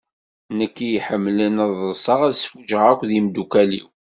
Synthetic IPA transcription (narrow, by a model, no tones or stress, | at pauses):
nəkːijħəmːlənəðˤəsˤəʁæðsfuʒəʁækʷðimd̪ukælḭw